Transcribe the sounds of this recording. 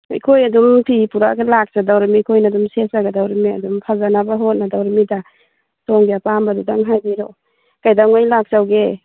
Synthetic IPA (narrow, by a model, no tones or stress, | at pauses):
a̰jkʰojadumpʰipuɾaɡalak̚sadawɾamikʰojnadumsesaɡadawɾamia̰dumpʰazanabaɦot̚nadawɾmida | sɔŋɡeapambadudaŋɦajbiɾɔ | kajdaŋajlak̚sawɡe